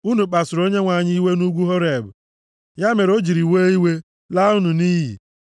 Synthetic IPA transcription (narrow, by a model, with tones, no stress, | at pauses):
u˦nu˨k͡pa˨sʊ˨ɾo˦ɲe˦ŋʷa˨ɲɪ˦i˦we˦nu˦ɡʷu˦ɦo˦ɾe˨bʊ̰˨ | ja˦me˨ɾo˦d͡ʒi˨ɾi˨weː˦i˦we˦ | la˦u˦nu˨niː˦ɦḭ˨